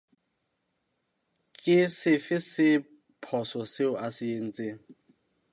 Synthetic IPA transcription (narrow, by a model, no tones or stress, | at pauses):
kʼɪsɪfɪsɪ | pʰɔsɔsɪʊʔasɪen̩ːt͡sʼɪ